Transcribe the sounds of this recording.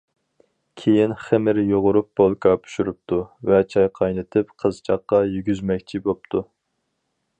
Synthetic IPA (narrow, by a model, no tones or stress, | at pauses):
kʲʰejinχɪmɪɾjoʁʊɾup̚b̥olˠkʰɑpʰy̥ʃyɾup̚t̪ʰuvɛt͡ʃʰɑjqʰɑjnɨt̪ʰɪpqʰəzt͡ʃʰɑqːɑjyɡʲyzmɛkʲt͡ʃʰibop̚t̪ʰu